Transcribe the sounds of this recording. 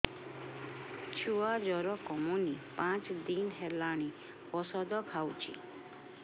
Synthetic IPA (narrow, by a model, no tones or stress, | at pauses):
t͡ʃʰuad͡ʒɔɾɔkɔmunipãt͡ʃd̪inɦelaɽ̃i | pɔsɔd̪ɔkʰawt͡ʃʰḭ